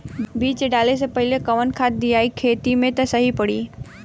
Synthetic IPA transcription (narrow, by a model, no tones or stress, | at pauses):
biːt͡ʃɖaːles̬epɐɦɪlekɐʋənkʰaːt̪̚d̪ijaːikʰeːt̪imẽt̪ɐsɐɦipɐɽiː